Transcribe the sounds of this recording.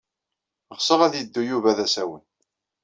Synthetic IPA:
ʁsˤəʁæðjəd̪ːujuvæðæsæwə̰n

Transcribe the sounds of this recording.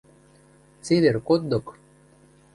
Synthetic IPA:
t͡seβʲerkod̪̚d̪ok

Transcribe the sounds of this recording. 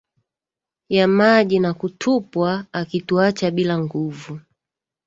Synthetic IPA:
jamaʄinakutʰupwaːkituat͡ʃaɓilaŋɡuvu

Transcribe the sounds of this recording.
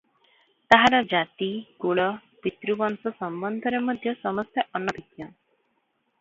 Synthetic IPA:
t̪aɦaɾɔd͡ʒat̪iɡuɭɔpit̪ɾubɔnsɔsɔmbɔnd̪ʱɔɾemɔd̪ʱjɔsɔmɔst̪ʰjɔʔɔnːɔd̪ikja

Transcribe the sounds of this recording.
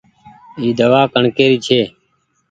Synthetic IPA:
iːd̪əʋaːkəɳkeːɾiːt͡ʃʰeː

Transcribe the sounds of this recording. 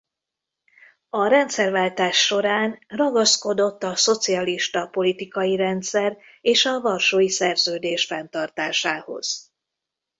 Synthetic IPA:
ɒɾɛnt̪sɛrvaːlt̪aːʃːo̞ɾaːnrɒɡɒsko̞d̪o̞t̪ːɒso̞t̪siɒliʃt̪ɒpo̞lit̪ikɒjiɾɛnt̪sɛr | eːʃɒvɒrʃoːjisɛrzøːd̪eːʃfɛnt̪ɒrt̪aːʃaːho̞̰z̥

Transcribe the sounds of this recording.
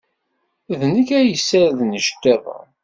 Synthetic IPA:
ðnəkæjəsːæɾðnəʃt̪ːæðˤə̰

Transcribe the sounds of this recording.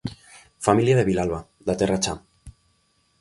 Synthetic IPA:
familjaðeβilalβa | d̪at̪erat͡ʃam

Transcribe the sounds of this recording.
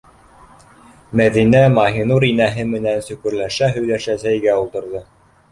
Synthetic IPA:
mæðinæmɑɦinuɾinæɦɘmɘ̆nænsɵ̆kɵ̆ɾlæʃæɦɵ̆jlæʃæsæjɡæulˠt̪ɤ̆ɾðɤ

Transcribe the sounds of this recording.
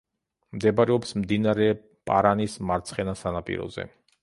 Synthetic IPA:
md̪ɛbaɾɛɔpsmd̪inaɾɛ | pʼa̰ɾanismaɾt̪sʰχɛnasanapʼḭɾɔ̰zɛ̰

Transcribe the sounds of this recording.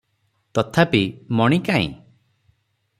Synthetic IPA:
t̪ɔt̪ʰapimɔɽ̃ikaḭ̃

